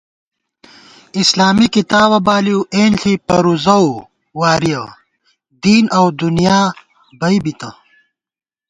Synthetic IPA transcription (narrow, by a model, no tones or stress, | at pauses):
islaːmikit̪aːβɐbaːliuʔeːnɬʰipɐɾuzɐw | waːɾijɐ | d̪iːnɐwd̪unijaː | bɐibit̪ɐ̰